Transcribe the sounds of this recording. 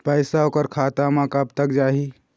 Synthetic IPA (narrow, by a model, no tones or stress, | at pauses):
pəɪsaoːkəɾkʰaːt̪amãkəbt̪əkd͡ʒaːɦi